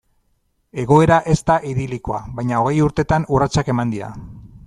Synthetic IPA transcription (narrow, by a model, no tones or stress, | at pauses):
e̞ɣ̞o̞e̞ɾaʔe̞st̪aʔiðiliko̞a̰βajɲao̞ɣ̞e̞juɾt̪e̞t̪anurat͡sake̞mand̪ia̰